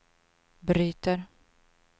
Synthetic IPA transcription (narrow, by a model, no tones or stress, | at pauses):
bɾyːt̪əɾ